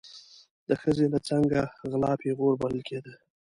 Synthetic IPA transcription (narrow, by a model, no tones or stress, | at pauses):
d̪əxəzelat͡saŋɡaɣlɑpeɣoɾbaləlkʰed̪ə